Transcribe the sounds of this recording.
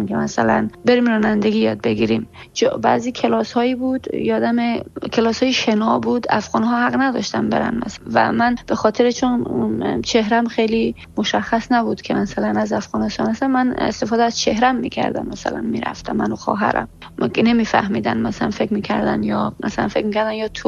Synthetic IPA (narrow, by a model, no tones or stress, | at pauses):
mkʲʰemæsælænbe̞ɾimrɒːnænd̪eɡʲijɒːd̪̚be̞ɡiɾim | t͡ʃbæziːkʰelɒshɒːiːbud̪jɒːd̪æmekʰelɒːshɒːjiʃenɒbuːd̪æfɣɒːnɦɒːhæɣnæd̪ɒ̰ʃt̪ænbe̞̰ɾæ̰nmæ̰svæ̰mænb̥exɒːt̪ʰe̞ɾet͡ʃʰont͡ʃʰehɾæmxejli | moʃæxːæsnæbud̪̥kʲʰemæsælænæzæfɣɒːnest̪ɒːnæsæmmænḛst̪efɒːd̪ɛæz̥t͡ʃʰe̞hɾæmːiːcʲʰæ̰ɾd̪æ̰mːæsæ̰læ̰nmḭːɾæ̰ft̪ʰæmːænoxɒ̰ːɦæ̰ɾæ̰m | nemiːfæ̰hmiːd̪ænmæsælænfekɾmiːcʰæɾd̪æ̰njɒmæ̰sælæ̰nfe̞kmiːcʰæɾd̪ænjɒːt̪ʰo